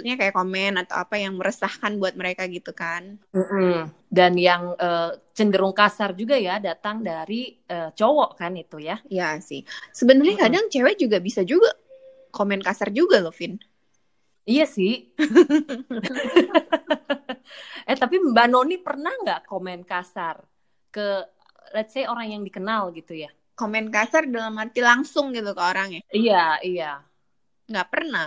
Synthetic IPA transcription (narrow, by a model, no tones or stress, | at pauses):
t̪̚ɲakajakomɛnat̪a̰wa̰pajaŋməɾəsahkanbuat̪̚məɾekaɡit̪ukanm̩ʔm̩ | danjaŋʔəːt͡ʃəndəɾʊŋkasard͡ʒuɡajadat̪aŋdaɾi | əːt͡ʃowɔʔkanit̪ujaijasɪ̰hsəbənərɲakadaŋt͡ʃewɛd͡ʒuɡabisad͡ʒuɡa | komɛnkasard͡ʒuɡalɔfɪn | ijasɪh | ʔɛt̪apiməbanonipərnahŋɡaʔkomɛnkasar | kə | lat̪̚sajoɾaŋjaŋdikənalɡit̪uja | komɛnkasardalamart̪ilaŋsʊŋɡit̪ukaoɾaŋjaijaija | ŋɡaʔpərnah